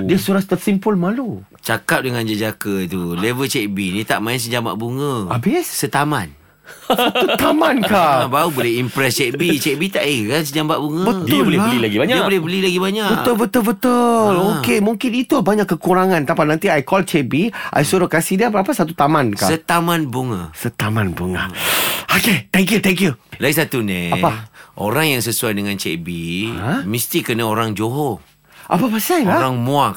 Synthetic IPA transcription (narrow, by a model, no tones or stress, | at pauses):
diasuɾat̪t̪ərsimpəlmãlu | t͡ʃakap̚dəŋãnd͡ʒəd͡ʒakəit̪ulevəlt͡ʃɛʔbinit̪aʔmãɪns̬əd͡ʒama̰ʔbuŋəabɪssət̪amãn | sat̪ut̪amãnkaabaubolɛimpɾɛst͡ʃɛʔbit͡ʃeʔbit̪aʔikansəd͡ʒambaʔbuŋəbət̪dʊlolɛblilaɡibaɲaiabolɛhbəlilaɡibaɲaʔbəʔəlbət̪əbət̪əlokemũŋkɪnit̪ubaɲaʔkːəkuɾaŋãnt̪apanãnt̪iajkɔlt͡ʃebiʔa̰jsuɾokasihdiəbəɾapasat̪̬ut̪amankaət̪amãnbuŋa̰sət̪amãnbuŋa̰oket̪ɛŋkjut̪ɛŋkjulaisat̪unɛapaʔo̰ɾaŋjaŋsəsuajdəŋãnt͡ʃḛbiamist̪ikənaoɾaŋd͡ʒoɦo | ʔa̰pabasajlaaŋmoak